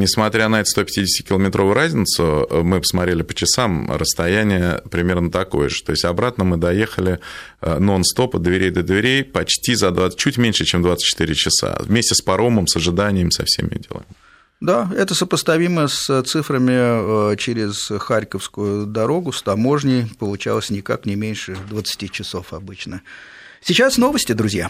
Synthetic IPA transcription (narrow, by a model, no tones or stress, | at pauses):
nʲɪsmɐt̪ɾʲanɐɛt̪ə̥st̪o̞pʲɪ̥tʲidʲɪsʲtʲɪkʲɪlˠəmʲɪt̪ɾʔo̞vʊjʊɾazʲnʲɪt̪sʊəmɨpə̥smɐt̪ɾʲelʲɪpə̥t͡ɕɪsamɾəst̪ɐjænʲɪjəpɾʲɪmʲe̞rnət̪ɐko̞̰jə̰ʐɨt̪o̞ɪsʲtʲɐbɾat̪nəmɨd̪ɐje̞xəlʲɪ | əno̞nst̪o̞pəd̪vʲɪɾʲejd̪əd̪vʲɪɾʲejpɐt͡ɕtʲizɐd̪vat͡ɕːutʲmʲenʲʂɨt͡ɕemd̪vat̪sə̥t̚ʲt͡ɕːɪ̥t̪ɨɾʲɪt͡ɕɪsa̰vmʲesʲtʲɪspɐɾo̞məmsəʐɨd̪anʲɪjəmsɐ̰fsʲḛmʲɪ̰jo̰dʲɪ̰lˠa̰mʲɪ | d̪aɛt̪əsəpəst̪ɐvʲiməsət̪sɨfɾəmʲɪt͡ɕɪɾʲɪz̥xaɾʲkəfskʊjʊd̪ɐɾo̞ɡʊst̪ɐmo̞ʐnʲɪjpəlˠʊt͡ɕa̰lˠəsʲnʲɪkaknʲɪmʲenʲʂɨd̪vət̪sɨ̥tʲit͡ɕɪso̞fɐbɨt͡ɕnə | sʲɪt͡ɕasno̞vəsʲtʲɪd̪ɾʊzʲja